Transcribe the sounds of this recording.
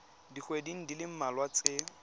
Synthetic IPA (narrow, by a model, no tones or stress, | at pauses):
diχwediŋ̩dilɪm̩malwat͡sɪ